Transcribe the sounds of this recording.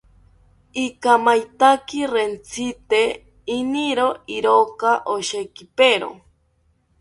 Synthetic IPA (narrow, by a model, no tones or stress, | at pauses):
ikamajt̪akirent͡sʰit̪e | iniɾoiɾokaʔoʃekipeɾo̰